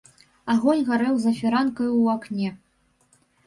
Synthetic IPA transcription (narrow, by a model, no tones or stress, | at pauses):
aɣɔnʲɣaɾɛwzɐfʲiɾankɐjuaknʲɛ